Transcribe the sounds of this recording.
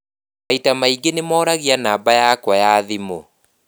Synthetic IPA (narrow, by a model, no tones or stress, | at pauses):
aitamaiɡenemɔːɾaɣianaːbajakwajaðimo